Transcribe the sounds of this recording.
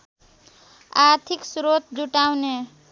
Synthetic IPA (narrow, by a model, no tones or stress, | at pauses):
aɾt̪ʰiksɾot̪̚d͡zuʈawne